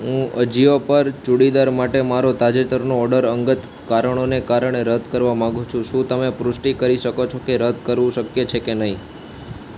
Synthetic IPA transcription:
ɦũəd͡ʒiʋopəɾt͡ʃuɽid̪aɾmaʈemaɾot̪ad͡ʒet̪əɾnoːɖəɾəŋɡət̪ | kaɾəɳ̃onekaɾəɳ̃eɾəd̪ʱkəɾʋamãɡũt͡ʃʰũʃũt̪əmepɾʊsʈikəɾiʃəkot͡ʃʰokeɾəd̪̚ʱkəɾʋũʃəkjet͡ʃʰekenəɦĩ

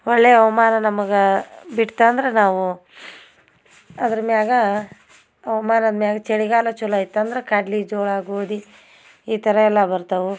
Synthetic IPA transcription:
ɔɭːeːɐʋɐmaːnɐnɐmɐɡebiʈt̪aːnd̪ɐɾenaːʋu | ɐd̪ɐɾɐmjaːɡɐː | ʋɐmaːnɐd̪mjaːɡɐt͡ʃeɽiɡaːlɐt͡ʃulɐit̪ːɐnd̪ɐɾekaːɖlid͡ʒoːɭaːɡoːd̪i | iːt̪ɐɾɐɛlːɐbɐɾt̪ɐʋu

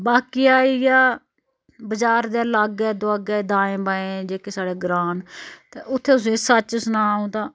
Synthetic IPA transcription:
baːkiːaːijaː | bəd͡ʒaːɾd̪eːləɡɛːd̪ʊaːɡɛːd̪ãːẽːbaːẽːd͡ʒeːkeːsaːɽeːɡɾãːnt̪eːʔʊt̪ʰːeːʊs̬ẽsət͡ʃsnaːũːt̪ãː

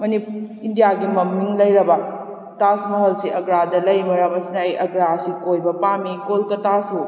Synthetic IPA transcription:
mɐniindijaɡimɐmːiŋlɐjɾɐbɐ | tasmɐɦɐlsiʔɐɡɾadɐlɐjmɐɾɐmɐsinɐːjʔɐɡɾaɐsikojbɐpamikolkɐtasu

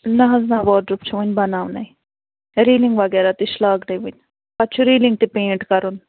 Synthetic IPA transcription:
nɐɦɐznaːʋɔːɖɾup̚t͡ʃʰuʋunʲbɐnaːʋnɐj | ɾiːliŋɡʋɐɡɛːɾaːt̪iʃlaːknɐʋunʲ | pɐtːt͡ʃʰuɾiːliŋɡ̚t̪ipeːɳʈkɐɾun

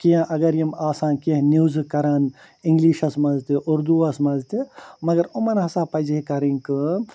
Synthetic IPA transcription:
kijãʔɐɡɐɾjɐmaːsãːnkɐnuːzkɐɾaːn | ɪ̃ŋɡliːʃɐsmɐzt̪iʔʊɾd̪uɐsmɐzt̪imɐɡɐɾʊmɐnɦɐsaːpɐd͡ʒekɐɾĩŋkɨ

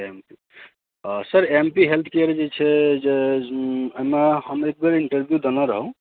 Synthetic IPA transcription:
empi | səɾempiɦelt̪ʰkeəɾd͡ʒet͡ʃʰɛd͡ʒe | əmehəmek̚beɾiɳʈəɾbʱjud̪enɔɾəɦõ

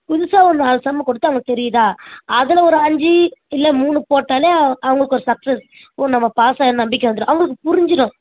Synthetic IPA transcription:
kʊðʊsaːɔnnaːlɐsɐmːɐkɔɽɯt̪ːɯɐʋɐŋɡɐk̚t̪ɛɾɪjðãːɐðɪlɐɔɾɯɐɲd͡ʒiɪlːɛmuːnɯpoːʈːaːleːɐʋɐŋɡɐɭɯkːɔɾɯsɐksɛs | onnɐmːɐpaːsajɐnnɐmbɪk̬ʲːɐʋɐnd̪ɯɾʊ̃ʔɐʋɐŋɡɐɭɯkːɯpʊɾɪɲd͡ʒɪɽʊ̃

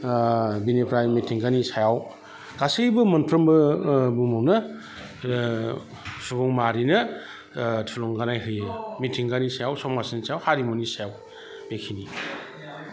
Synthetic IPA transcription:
binepʰɾajmitʰiŋɡanisajaw | ɡ̥asibɯmɐnpʰɾɔmbɯbumɔwnɐ | subɔŋmaɾinɐ | tʰulɔŋɡanajɦɯjɯmitʰiŋɡanisajawsɔmasinsajawhaɾimonisajaw | bekʰini

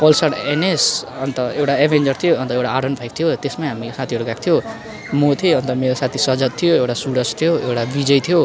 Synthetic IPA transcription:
pʌlsʌɽenesʌnt̪ʌewʈaebʱend͡zʌrt̪ʰijoʌnt̪ʌewʈaaɽʌnbʱajkt̪ʰijot̪esmaɦamisat̪ʰiɦʌɾukakt̪ʰijo | mot̪ʰioʌnt̪ʌmeɾosat̪ʰisʌd͡zʌt̪t̪ʰːijoewʈasuɽʌst̪ʰijoewʈabid͡zʌjt̪ʰijo

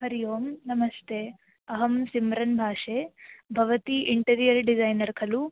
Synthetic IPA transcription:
ɦɐɾijoːmnɐmɐst̪ʰeː | ɐɦɐmsimɾɐnbʱaːʂeːbʱɐʋɐt̪iʔiɳʈɐɾijɐɾɖid͡ʒɐjnɐɾkʰɐlu

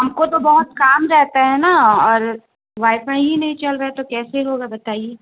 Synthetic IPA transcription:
ɦɐmkot̪obɐɦʊt̪kaːmɾɛɦt̪aɦɛnaɔːɾ | ʋaːɪfaĩɦinɐɦĩt͡ʃɐlɾɐet̪okɛːseɦoːɡabɐt̪aːieː

